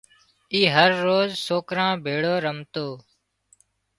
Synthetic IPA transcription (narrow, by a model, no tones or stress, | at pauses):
iːɦəɾːoːzsoːkɾãːbʱeːɽoːɾəmt̪oː